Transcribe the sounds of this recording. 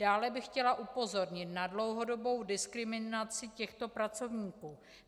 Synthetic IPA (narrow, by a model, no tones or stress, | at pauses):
aːlɛbɪxcɛlaʔupo̞zo̞ɾɲɪt̪nadlo̞wɦo̞do̞bo̞wdɪskɾɪmɪnat͡sɪcɛxt̪o̞pɾat͡so̞vɲiːkuː